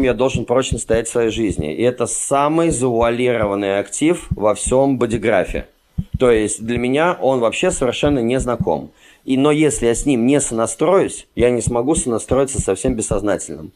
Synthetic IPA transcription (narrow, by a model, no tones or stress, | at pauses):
mjad̪o̞lˠʐɨnpɾo̞t͡ɕnəst̪ɐjætʲsvɐjejʐɨzʲnʲɪ̰ɪɛt̪əsamɨjzəvʊɐlʲiɾəvənːɨjɐktʲifvɐfsʲombədʲɪɡɾa̰fʲɪ̰ɪ̰ | t̪o̞jɪsʲtʲd̪lʲəmʲɪnʲaʔo̞nvɐpɕːe̞səvʲɪrʂɛnːənʲɪznɐko̞̰m | ino̞jesʲlʲɪjasʲnʲimnʲesənɐst̪ɾo̞jʊsʲjanʲɪsmɐɡusənɐst̪ɾo̞jɪt̪səsɐfsʲe̞mbʲɪsːɐznatʲɪlʲnə̰m